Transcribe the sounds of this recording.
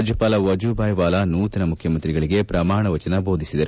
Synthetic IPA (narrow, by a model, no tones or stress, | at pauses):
d͡ʒjɐpaːlɐʋɐd͡ʒubʱaːjʋaːlɐnuːt̪ɐnɐmukʰjɐmɐnt̪ɾiɡɐɭiɡe̞pɾɐmaːɳɐʋɐt͡ʃɐnɐbʱo̞ːd̪ʱisid̪ɐɾu